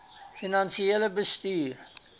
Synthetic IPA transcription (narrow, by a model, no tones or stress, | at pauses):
finãnsiɛləbəst̪iːɾ